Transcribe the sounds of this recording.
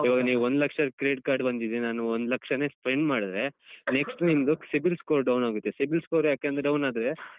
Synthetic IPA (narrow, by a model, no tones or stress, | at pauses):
iːʋaːɡɐniːʋuond̪lɐkʂɐkɾeːɖkaːɾɖbɐnd̪id̪enaːnuond̪lɐkʂɐne̞ːspɾeɳɖmaːɽid̪ɾe̞neksʈnimd̪usibilskoːɾɖɐwnaːɡut̪ːesibilskoːɾjaːkeːnd̪ɾɐɖɐwnaːd̪ɾe